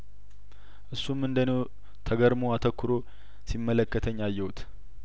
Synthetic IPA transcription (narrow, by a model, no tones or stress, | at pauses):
ʔɨsːumːɨnd̪əno | t̪ʰəɡəɾmoat̪ʰəkːʊɾo | simːələkːət̪ʰəɲːajːɛwut̪